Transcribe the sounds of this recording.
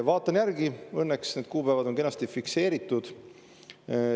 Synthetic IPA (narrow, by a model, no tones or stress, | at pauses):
vɑːt̪ːˑɑnjæɾɡ̥iɤnːeksneːd̪̥̚kuːpæevɑd̪o̞ŋke̞nːɑst̪ifikse̞ːɾit̪ːˑud̪̥